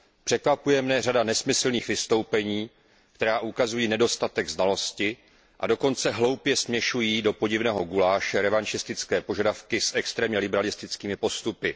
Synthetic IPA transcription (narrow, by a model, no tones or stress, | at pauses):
pr̝̥ɛkvapujɛmnɛr̝adanɛsmɪsl̩niːxvɪst̪o̞wpɛɲiː | kt̪ɛɾaːʔukazujiːnɛdo̞st̪at̪ɛɡznalo̞scɪ | ʔa̰do̞ko̞nt͡sɛɦlo̞wpjɛsmɲɛʃujiːdo̞po̞ɟɪvnɛːɦo̞ɡulaːʃɛɾɛvant͡ʃɪst̪ɪt͡skɛːpo̞ʒadafkɪsʔɛkst̪ɾɛːmɲɛlɪbɛɾalɪst̪ɪt͡skiːmɪpo̞st̪upɪ